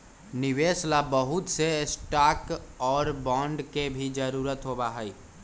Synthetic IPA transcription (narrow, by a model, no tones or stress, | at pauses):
nɪʋeːslabəɦʊt̪sesʈaːkɔːɾbɔ̃ːɳɖkebʱid͡ʒəɾuːɾət̪ɦoːbaɦɛi